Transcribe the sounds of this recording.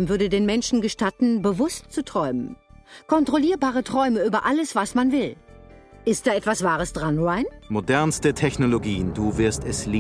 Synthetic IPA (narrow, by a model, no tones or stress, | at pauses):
mvʏɐdədeːnmɛnʃn̩ɡəʃtatn̩bəvʊstt͡sutʁ̥ɔʏmənkʰɔntʁ̥oliːɐbaːʁ̞ətʁ̥ɔʏməʔyːbɐʔaləsv̥asmanvɪl | ʔɪstd̥aːɛtv̥asv̥aːʁ̞əsd̥ʁanʁaɪnmodɛɐnstətʰɛçnoloɡiːənduːvɪɐstɛsliː